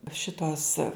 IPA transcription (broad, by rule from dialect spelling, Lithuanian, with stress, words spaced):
ˈʃʲɪtoːs